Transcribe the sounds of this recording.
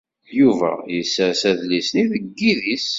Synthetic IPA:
juvæ̰jəsːəɾsæðlisniðəɡːiðis

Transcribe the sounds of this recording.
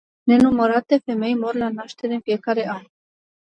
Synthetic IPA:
nenuməɾat̪efemejmoɾlanaʃt̪eɾenfijekaɾean

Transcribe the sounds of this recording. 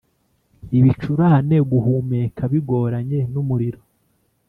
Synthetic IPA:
iβit͡ʃuɾane̞ɡuhumekʰaβiɡo̞ːɾaɲe̞numuɾiɾo̥

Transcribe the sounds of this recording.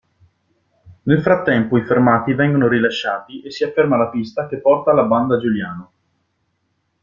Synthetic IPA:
nelfɾat̪ːɛmpoifermaːt̪ivɛŋɡonoɾilaʃːaːt̪iʔesːiafːermalapist̪ak̟epːɔrt̪alaband̪ad͡ʒuljaːno

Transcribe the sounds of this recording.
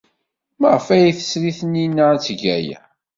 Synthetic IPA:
məʁəfæjiθə̥sɾiθənːinːat͡sːəʝæjæ̰

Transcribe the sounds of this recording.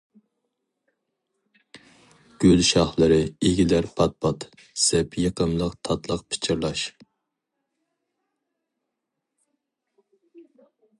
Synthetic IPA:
ɡ̥ʲølʃɑχlˠɨɾɨeɡʲilæɾpʰɑt̪̚pʰɑt̪ | sɛpʰjəqʰəmlˠəqt̪ʰɑt̪lˠəqpʰɪ̥t͡ʃʰɪɾlˠɑʃ

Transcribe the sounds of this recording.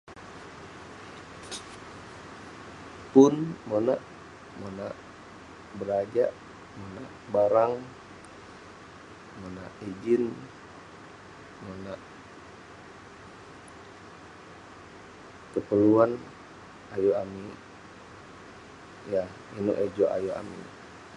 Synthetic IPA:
pʊnmonaʔ | monaʔ | bəɾad͡ʒaʔ | monaʔbaɾaŋ | mona̰ʔid͡ʒɪn | monaʔ | kəpəluan | ajuami | ja | inṵʔed͡ʒoʔa̰joa̰mḭ

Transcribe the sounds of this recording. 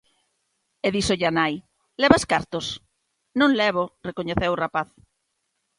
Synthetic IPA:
eðisoʎanaj | lɛβaskaɾt̪os | nõŋlɛβ̞orekoɲeθewʊrapaθ

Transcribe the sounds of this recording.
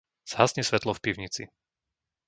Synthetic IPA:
z̥ɦasɲɛsʋɛt̪lɔfpiʊɲit͡sḭ

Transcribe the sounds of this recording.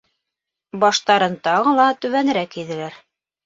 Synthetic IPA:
bɑʃt̪ɑɾɤnt̪ɑʁɤ̆lˠɑt̪ʉβænɘ̆ɾækiðɘ̆læɾ

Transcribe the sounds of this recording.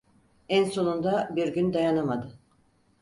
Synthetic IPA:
ænso̞nund̪abiɾɟynd̪ajanamad̪ɯ

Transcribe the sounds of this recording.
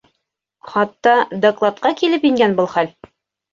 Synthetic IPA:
χɑt̪ːɑd̪ɐklˠɑt̪̚qɑkilɘpjɘ̆ŋɡænbɤlˠχæl

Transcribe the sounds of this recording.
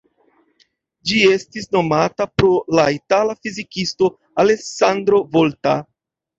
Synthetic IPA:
d͡ʒie̞stisno̞matapɾo̞laitalafizikisto̞ | ale̞sandɾo̞volta

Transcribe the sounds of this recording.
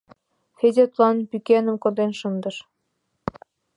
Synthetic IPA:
xezʲet̪lɑnpykʲenə̆mkŏd̪enʃɤnd̪ɤ̆ʃ

